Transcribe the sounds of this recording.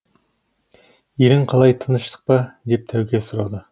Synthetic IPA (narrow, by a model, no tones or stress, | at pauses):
jelɪŋqʰɑlˠɑjt̪ʰənəʃt̪ə̥q̚pɑd̪e̞p̚t̪ʰæwkʲesʊɾɑd̪ə